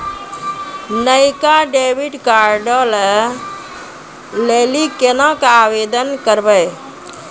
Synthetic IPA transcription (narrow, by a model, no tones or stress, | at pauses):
nəjkaɖebiɖkaɾɖəl | lelikenəkaʋed̪ənkəɾbəj